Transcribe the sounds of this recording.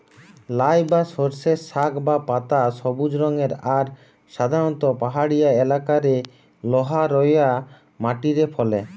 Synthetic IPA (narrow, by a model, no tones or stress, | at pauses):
lajbasoɾseɾsakbapat̪asɔbud͡ʑɾɔŋeɾaɾ | ʃad̪ʱaɾɔnt̪opaɦaɽijaelakaɾe | lɔɦaɾɔja | maʈiɾepʰɔlḛ